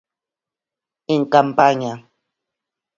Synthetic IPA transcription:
ɪŋkampaɲa

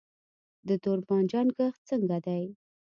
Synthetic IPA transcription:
d̪ət̪ʊɾbɑnd͡ʒɑnɡəxt͡səŋɡad̪aj

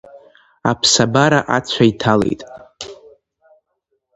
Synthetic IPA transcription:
a̰pʰsabaɾaʔat͡ɕʷʰaitʰale̞̰jtʼ

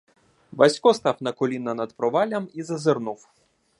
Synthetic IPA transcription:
bɐsʲkɔst̪ɑwnɐkɔlʲinɐnɐd̪pɾɔʋɑlʲɐmizɐzernuw

